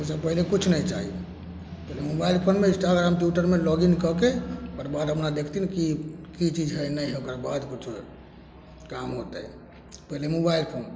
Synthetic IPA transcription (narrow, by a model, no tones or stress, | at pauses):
ɦosəb̚pəɦilekut͡ʃʰnəjt͡ʃaɦḭ | pəilemobailpʰonmeisʈalɾamʈjuʈəɾmelɔɡinkəkepəɾbad̪əpnad̪ekʰt̪inkikit͡ʃid͡ʒɦɛnəjɦɛokɾbad̪kut͡ʃʰ | kamɦot̪ɛ | pəilemobailpʰon